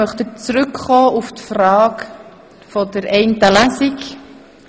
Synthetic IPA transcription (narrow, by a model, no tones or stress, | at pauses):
œχt̪ət͡sɾʏkχɔːuftfrɑːk | fɔdəɾɛɪntəlæsik